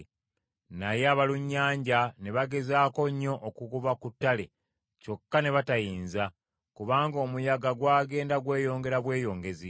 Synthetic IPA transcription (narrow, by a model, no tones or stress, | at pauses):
najeaβaluɲːaːɲɟane̞βaɡe̞zaːko̞ɲːo̞ʔːkuɡuβakutːale̞ | co̞kːane̞βatajiːnza | kuβaːŋɡo̞ːmujaɡaɡwaːɡe̞ːndaɡwe̞ːjo̞ːŋɡe̞ɾaβwe̞ːjo̞ːŋɡe̞zi